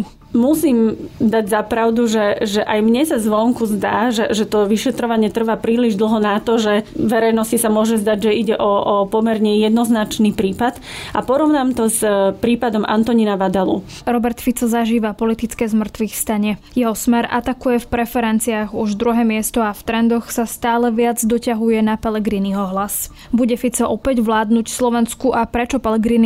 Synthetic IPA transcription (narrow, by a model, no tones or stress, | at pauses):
musiːmd̪aɟzapɾaʊd̪uʒɛʒɛʔajmɲɛsazʋɔŋkuzd̪aːʒɛʒɛt̪ɔʋiʃɛt̪ɾɔʋaɲɪɛt̪r̩ʋapɾiːliʒd̪l̩ˠɦɔnat̪ɔʒɛʋɛɾɛjnɔscisamʊɔʒɛzd̪aɟʒɛiɟɛʔɔɔpɔmɛɾɲɛjɛd̪nɔznat͡ʃniːpɾiːpat̪ʔapɔɾɔʊnaːmt̪ɔzpɾiːpad̪ɔmʔa̰nt̪ɔɲinaʋad̪alṵ | ɾɔbɛɾt̪fit͡sɔzaʒiːʋapɔlit̪it͡skɛːzmr̩t̪ʋixfst̪aɲɛjɛɦɔsmɛɾa̰t̪akujɛfpɾɛfɛɾɛnt͡siaɣuʒd̪ɾuɦɛːmɪɛst̪ɔaft̪ɾɛnd̪ɔxsast̪aːlɛʋɪad͡zd̪ɔcaɦujɛnapɛlɛɡɾiːniɔɦlas | buɟɛfit͡sɔʔɔpɛɟʋlaːd̪nucslɔʋɛnskuʔapɾɛt͡ʃɔpɛlɛɡɾiːni